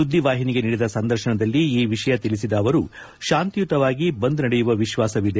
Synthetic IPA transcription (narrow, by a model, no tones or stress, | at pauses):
ud̪ʱːiʋaːɦiniɡe̞niːɽid̪ɐsɐnd̪ɐɾʃɐnɐd̪ɐlːiːʋiʂɐjɐt̪ilisid̪ɐːʋɐɾu | ʃaːnt̪ijut̪ɐʋaːɡibɐnd̪nɐɽɛjuʋɐʋiʃʋaːsɐʋid̪e